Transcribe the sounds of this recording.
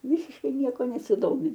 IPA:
ˈʋʲɪsʲɪʃkɐɪ ˈnʲiɛkoː nʲɛsʲɪˈdoːmʲɪ

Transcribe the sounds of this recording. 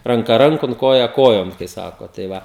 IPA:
rɐŋˈkɐ ˈrɐŋkoːn ˈkoːjɛ ˈkoːjoːn kɐɪ ˈsɑːkoː tɐɪ ˈʋɐ

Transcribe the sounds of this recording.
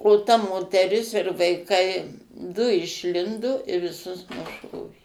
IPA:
oː tɐ moːtʲɛˈrʲɪs ɪr ʋɐɪˈkɐɪ dʊ ɪʃʲˈlʲɪndoː ɪr ʋʲɪˈsʊs nʊˈʃoːʋʲeː

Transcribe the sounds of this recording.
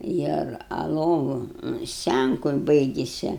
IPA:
ˈɪr ɐ ˈlˠoːʋʊ ˈsʲt͡sʲæŋkʊ ˈbɐɪɡʲɪsʲɛ

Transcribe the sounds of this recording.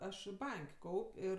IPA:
ˈɐʃ ˈbɐŋʲkʲ ˈkɐʊpʲ ˈɪr

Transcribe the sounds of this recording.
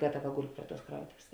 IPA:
ˈɡɑːtɐˌʋɐ ˈɡʊlʲ ˈpʲrʲɪ ˌtuɔs ˈkrɐʊtoːʋʲeːs

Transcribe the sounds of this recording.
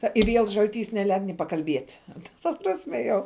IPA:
ˈtɐ ɪ ʋʲiɛlˠ ʒɐlʲˈtʲiːs nʲɛˈlʲɛɪt nʲɪ pɐkɐlʲˈbʲiɛtʲ tɐ tɐ ˈprɑːsʲmʲɛ jɛʊ

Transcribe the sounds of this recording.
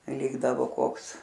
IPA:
ˈlʲɪɡdɐʋoː ˈkoːks

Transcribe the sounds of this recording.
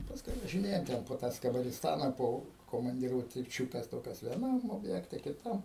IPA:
pɐsˈkʊɪ ʋɐʒʲɪˈnʲeːjoːm ˈtʲɛn poː ˈtɑː skɐbɐrʲɪsˈtɑːnɐ ˈpoː koːmɐnʲdʲɪruɔtʲɪˈt͡ʃʲʊkʲɛs ˈtoːkʲɛs ʋʲiɛˈnɐm oːbʲˈjæːktʲɛ kʲɪˈtɐm

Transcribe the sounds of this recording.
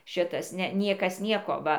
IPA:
ˈʃʲɪtɐs ˈnʲɛ ˈnʲiɛkɐs ˈnʲiɛkoː ˈʋɐ

